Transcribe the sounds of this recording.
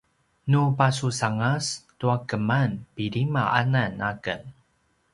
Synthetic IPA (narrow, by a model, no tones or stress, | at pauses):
nupasusaŋastuakəmanpiɾimaʔa̰nanakən